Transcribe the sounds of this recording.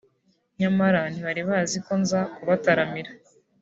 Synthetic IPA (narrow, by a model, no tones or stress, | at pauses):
ɲamaɾaniβaɾiβaziko̞nzakuβataɾamiɾa